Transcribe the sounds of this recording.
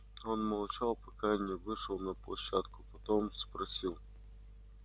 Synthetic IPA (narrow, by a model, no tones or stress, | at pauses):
onmɐlˠt͡ɕalˠpɐkanʲɪʋɪʂɔlˠnɐplˠɐɕːat̪kʊ̥pɐt̪omspɾɐsʲilˠ